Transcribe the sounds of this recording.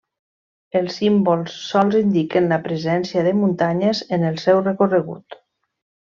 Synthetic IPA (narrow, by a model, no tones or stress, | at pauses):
əlˠsːimbolˠsːɔlˠzind̪ikənləpɾəzɛnsiəðəmunt̪aɲəzenəlˠsɛwrəkorəɣ̞ṵt̪